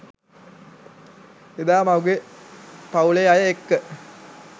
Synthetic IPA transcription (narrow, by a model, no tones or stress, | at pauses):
ed̪aːmɐwɡe | pɐwuleajɐekːə